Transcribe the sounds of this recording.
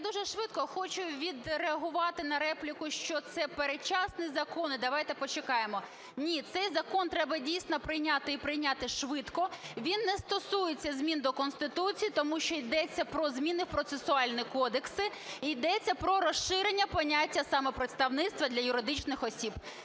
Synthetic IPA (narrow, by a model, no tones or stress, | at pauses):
jd̪uʒɛʃʋɪt̪kɔxɔt͡ʃʊʋʲid̪reɐɦʊʋɑt̪ɪnɐɾɛplʲikʊʃt͡ʃɔt̪sɛpeɾet͡ʃɑsnizɐkɔnɪd̪ɐʋɑjt̪ɛpɔt͡ʃɪkɑjemɔ | nʲit̪sɛjzɐkɔnt̪ɾɛbɐdʲijsʲnɔpɾɪjnʲat̪ɪipɾɪjnʲat̪ɪʃʋɪt̪kɔʋʲinːɛst̪ɔsujet͡sʲːɐzʲmʲind̪ɔkɔnst̪ɪt̪ut͡sʲijit̪ɔmuʃt͡ʃɔid̪ɛt͡sʲːɐpɾɔzmʲinɪwpɾɔt̪sesʊɑlʲnʲikɔd̪eksɪ | ijd̪ɛt͡sʲːɐpɾɔɾɔʃɪɾenʲːɐpɔnʲatʲːɐsɑmɔpɾɪt̪st̪ɐʋnɪt̪st̪ʋɐd̪lʲɐjʊɾɪd̪ɪt͡ʃnɪxɔsʲib